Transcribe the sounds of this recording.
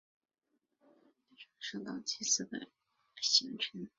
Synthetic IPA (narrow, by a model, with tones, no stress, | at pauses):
e˥˩ʈ͡ʂʰɑ˧˥ŋʂɤ˥˩t̪ɑ̰˨˩ŋt͡ɕʰi˥sɹ̩˥˩d̪ə̰˨˩ | ɕi˧˥ŋʈ͡ʂʰə˧˥n